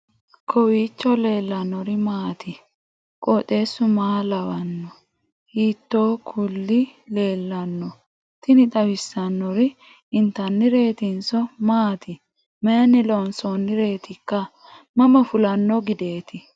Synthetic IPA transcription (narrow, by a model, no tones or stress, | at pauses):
kʰɔwiːt͡ʃːɔle̞ːlːɐnːɔɾɪmaːt̪ʰɪ | kʼɔt̪ʼe̞ːsːʊmaːlɐwɐnːɔ | hiːt̪ːoːkʰʊlːɪle̞ːlːɐnːɔ | t̪ɪnɪt̪ʼɐwɪsːɐnːɔɾɪ | ɪnt̪ɐnːɪɾe̞ːt̪ɪnsɔmaːt̪ɪ | mɐjɐnːɪlɔnsoːnːɪɾe̞ːt̪ɪkːɐ | mɐmɐfʊlɐnːɔɡɪd̪e̞ːt̪ɪ